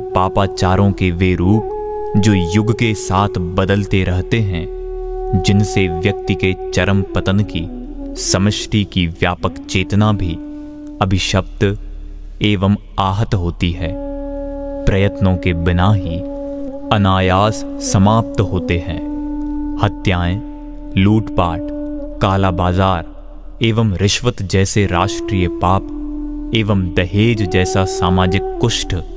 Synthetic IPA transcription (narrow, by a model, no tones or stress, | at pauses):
paːpaːt͡ʃaːɾõkeʋeɾuːp̚ | d͡ʒoːjʊɡkesaːt̪ʰbɐd̪əlt̪eɾɐɦt̪eɦɛ̃ | d͡ʒɪnseʋjɐk̚t̪iket͡ʃɐɾəmpət̪ənki | sɐməʃʈʰikiʋjaːpəkt͡ʃeːt̪nabʱi | ɐbʱɪʃəb̚t̪ | eːʋəm | aːɦət̪ɦoːt̪iɦɛ̃ː | pɾɐjət̪nõkebɪnaːɦi | ɐnaːjaːssɐmaːp̚t̪ɦoːt̪eɦɛ̰̃ː | hɐt̪jaːẽ | luːʈpaːʈkaːlaːbaːzaːɾ | eːʋəmɾɪʃʋət̪d͡ʒɛːseɾaːʃʈɾiːjəpaːpeːʋəmd̪ɐɦeːd͡ʒd͡ʒɛːsasaːmaːd͡ʒɪkːʊʃʈ